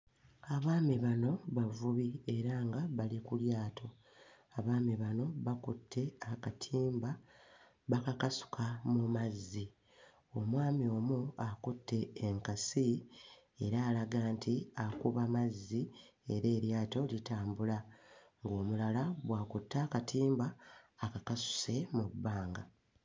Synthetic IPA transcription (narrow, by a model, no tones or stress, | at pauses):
aβaːmiβano̞βavuβie̞ɾaŋɡaβalikuljaːtʰo̞ | aβaːmiβano̞βakutʰːe̞akatʰiːmba | βakakasu̥kʰamumazːi | o̞mwaːmio̞ːmuakutːe̞ːŋkasi | e̞ɾaːlaɡaːntʰiakuβamazːi | eɾe̞ːɾjaːto̞litaːmbula | ŋɡo̞ːmulalaβwaːkutːaːkatʰiːmbaːkakasu̥se̞mubːaːŋɡa